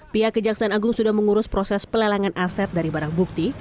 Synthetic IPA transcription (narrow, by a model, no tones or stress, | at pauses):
piakəd͡ʒaksaːnaɡʊŋsudahməŋuɾʊspɾosɛspəlalaŋanʔasɛt̪̚daɾibaɾaŋbuk̚t̪i